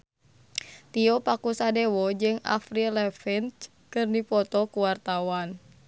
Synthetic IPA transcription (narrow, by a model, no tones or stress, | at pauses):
t̪iɔpakusadɛwɔd͡ʒɨŋa̰fɾilɛfint͡ʃ | kɨrnifɔt̪ɔkuwart̪awan